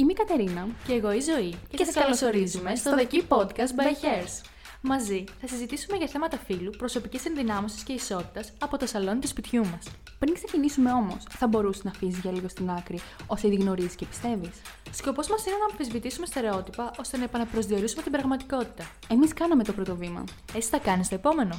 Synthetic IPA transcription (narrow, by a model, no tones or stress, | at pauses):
imikɐt̪e̞ɾinɐceːɣo̞izo̞iceseɐsɐskɐllosoɾizumest̪oðcipod̪kɐst̪bɐçeɾs | mɐziθɐsizit̪isume̞ʝɐθe̞mɐt̪ɐfilupɾoso̞picise̞nðinɐmosi̥sce̞iso̞t̪i̥t̪ɐsɐpo̞t̪o̞sɐlo̞nt̪ispit̪çumɐs | pɾiŋksecinisume̞o̞mo̞sθɐbo̞ɾusenɐfis̬izʝɐliɣo̞st̪inɐkɾio̞seðiɣno̞ɾiziscepi̥st̪e̞vis | sko̞po̞zmɐsine̞nɐmfizvit̪isumest̪e̞ɾe̞o̞t̪ipɐʔo̞st̪e̞nɐepɐnɐpɾo̞zðio̞ɾisumet̪ibɾɐɣmɐt̪iko̞t̪i̥t̪ɐ | e̞miskɐnɐme̞t̪o̞pɾo̞t̪o̞vimɐ̰ | et͡si̥θɐkɐnist̪o̞epo̞me̞no̞